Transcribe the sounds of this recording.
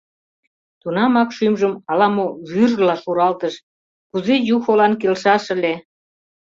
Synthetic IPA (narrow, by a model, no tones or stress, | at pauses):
t̪unɑmɑkʃymʒəmɑlɑmoβyrlɑʃuɾɑlt̪əʃ | kuzejuxolɑnkelʃɑʃə̆le